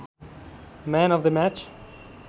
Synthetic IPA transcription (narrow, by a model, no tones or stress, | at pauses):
mæ̃nɔvðəmæt͡ʃ